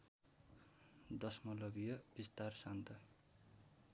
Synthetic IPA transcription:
d̪ʌsmʌlʌbijʌbist̪arsant̪ʰʌ

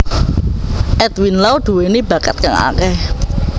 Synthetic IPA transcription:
ʔɛt̪winlawd̪̥uwenib̥a̤kət̪̚kaŋa̰kɛh

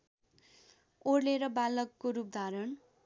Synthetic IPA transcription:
oɽleɾʌbalʌkːoɾup̚d̪ʱaɾʌn

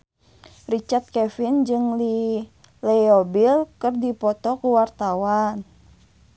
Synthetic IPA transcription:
rit͡ʃart̪̚kɛfind͡ʒɨŋli | lɛobilkɨrdipɔt̪ɔkuwart̪awan

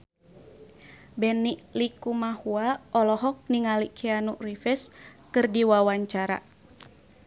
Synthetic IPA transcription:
bɛniʔlikumahuaɔlɔɦɔk̚niŋalikʰianṵrifɛskɨrdiwawaɲt͡ʃaɾa̰

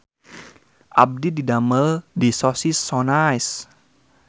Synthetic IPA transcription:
ʔab̚dididaməldisɔsisɔnajs

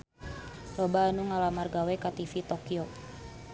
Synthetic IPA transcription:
rɔbaːnuŋalamarɡawɛkat̪ifit̪okio

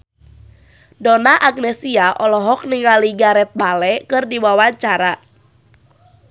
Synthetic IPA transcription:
dɔnaʔaknɛsiaʔɔlɔɦɔk̚niŋaliɡaɾɛt̪̚balɛkɨrdiwawaɲt͡ʃaɾa

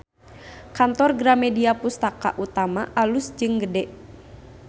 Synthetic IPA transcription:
kant̪ɔrɡɾamɛdiapust̪aka̰ʔut̪amaʔalusd͡ʒɨŋɡədɛʔ

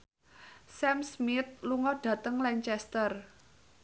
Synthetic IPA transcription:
sɛmsmɪt̪̚luŋɔɖ̥ä̤t̪əŋlɛɲt͡ʃɛst̪ər

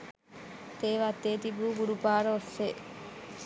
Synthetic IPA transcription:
t̪eːʋaːt̪ːeːt̪ibuːɡuɾupaːɾɐofeː

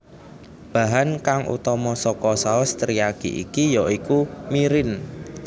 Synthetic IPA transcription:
b̥a̤ɦankaŋʔṵt̪ɔmɔsɔkɔsaɔst̪ɾijaɡ̥ḭʔḭkijɔikumiɾɪn

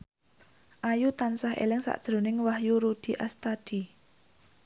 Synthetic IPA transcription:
ʔajut̪ansahḛlɪŋsa̰ʔd̥ʒ̥ɾonɪŋwahjuɾud̪̥i̤ʔast̪ad̪̥i̤

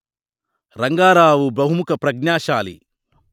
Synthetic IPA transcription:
ɾɐŋɡaːɾaːʋubɾɐɦumukɐpɾɐɡnaːʃaːlḭ

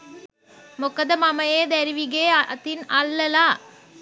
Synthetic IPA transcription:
mɔkːɐðɐmɐmɐjeːd̪ɐɾɪʋɪɣeːt̪ːɪnɐlːɐlaː

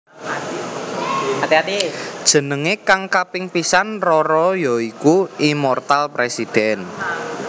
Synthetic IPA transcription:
at̪iat̪id̥ʒ̥ə̤nəŋekaŋkapɪŋpisanrɔɾɔjɔikuimɔrt̪alpɾesid̥ɛn

